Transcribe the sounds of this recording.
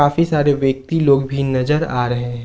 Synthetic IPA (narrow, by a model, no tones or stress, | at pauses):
aːfisaːɾeʋjək̚t̪iloːɡbʱinɐzəɾaːɾɐɦẽɛ̃